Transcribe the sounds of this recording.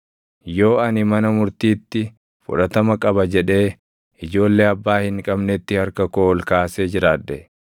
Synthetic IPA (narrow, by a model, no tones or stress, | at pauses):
jo̞ːɐnɪmɐnɐmʊɾt̪iːt̪ːɪ | fʊ̰ᶑɐt̪ɐmɐkʼɐbɐd͡ʒɛᶑe̞ː | ɪd͡ʒo̞ːlːe̞ːɐbːaːhɪŋkʼɐbnet̪ːɪhɐɾkɐkoːɔlkaːseːd͡ʒɪɾaːd̪ːɛ